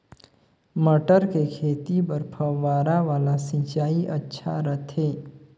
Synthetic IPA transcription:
məʈəɾkekʰeːt̪ipəɾpʰəʋaːɾaʋaːlasĩt͡ʃaːiʔətːʃʰaɾət̪ʰɦeː

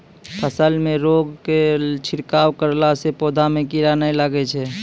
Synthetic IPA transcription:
pʰəsəlmẽɾoɡket͡ʃʰɪɾkaːwkəɾlasepoːd̪ʱamẽkiɾanajlaɡɛt͡ʃʰɛ

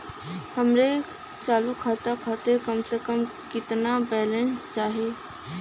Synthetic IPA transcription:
həmɾe | t͡ʃaːlukʰaːt̪akʰaːt̪ekəmsekəmkɪt̪nabɛːlẽnst͡ʃaːɦeː

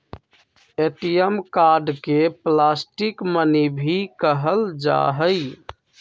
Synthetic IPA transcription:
eʈijəmkaɾɖkeplasʈikmənibʱikəɦəld͡ʒa̰ɦəj

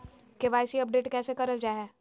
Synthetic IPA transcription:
keʋaːɪsiɐp̚ɖeːʈkɛːsekɐɾəld͡ʒaːɦɛː

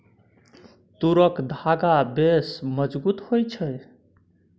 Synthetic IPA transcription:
t̪uɾəkd̪ʱaɡabesməd͡ʒbut̪hojt͡ʃʰəj

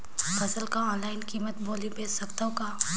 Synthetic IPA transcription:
fɐsəlkaɔ̃ːnlaːɪnkiːmət̪boːlibeːssɐkt̪akaː

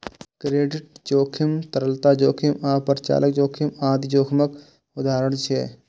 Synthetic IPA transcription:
kɾeːɖɪʈ̚d͡ʒoːkʰimt̪əɾəlt̪aːd͡ʒoːkʰimaːpəɾt͡ʃa̰ːlək̚d͡ʒoːkʰimaːd̪d͡ʒoːkʰmək | ʊd̪aːɾəɳ̃t͡ʃʰḛː

